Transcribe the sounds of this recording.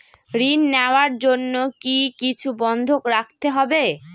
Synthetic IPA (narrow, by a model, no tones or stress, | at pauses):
ɾinːeoaɾd͡ʑonːokikit͡ɕʰubɔnd̪ʱokɾak̚ʰt̪eɦɔbe